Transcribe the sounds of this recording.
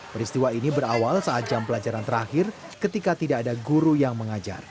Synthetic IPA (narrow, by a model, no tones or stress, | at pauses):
pəɾist̪iwainibəɾawalsaat̪̚d͡ʒampəlad͡ʒaɾant̪əɾahɪr | kət̪ikat̪idaːdaɡuɾujaŋməŋad͡ʒa̰r